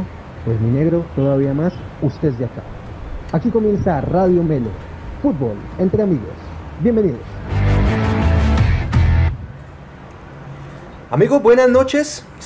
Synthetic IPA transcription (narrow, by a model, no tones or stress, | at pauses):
pwezmine̞ɣɾo̞t̪oðaβ̞iamas | ust̪ed͡ʒaka̰ | akiko̞mje̞nsaraðjomelo̰ | fut̪̚bole̞nt̪ɾeamiɣo̞̰sbje̞mbeniðos | amiɣobwenaznot͡ʃes